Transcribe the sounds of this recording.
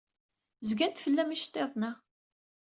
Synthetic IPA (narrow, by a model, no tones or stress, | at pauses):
zɡænt̪fəlːæmiʃt̪ˤːeðˤnæ